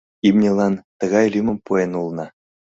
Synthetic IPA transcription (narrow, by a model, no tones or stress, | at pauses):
imnʲelˠɑnt̪ɤ̆ɡɑjlʲymɤ̆mpuenulˠnɑ